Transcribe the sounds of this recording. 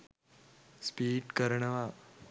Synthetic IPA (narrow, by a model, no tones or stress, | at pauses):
spiːʈkɐɾɳɐʋaː